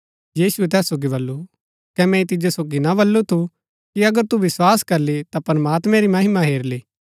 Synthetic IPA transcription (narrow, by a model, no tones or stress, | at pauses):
jiːsuɛt̪ɛːsːoːɡibɐlːu | kɛmɛ̃it̪ɪd͡ʒosoːɡinabɐlːot̪ʰu | kiɐɡəɾt̪uʋɪswaːskɐɾlet̪apɾɐmaːt̪mɛ̃ɾimɐɦɪmaɦeːɾleː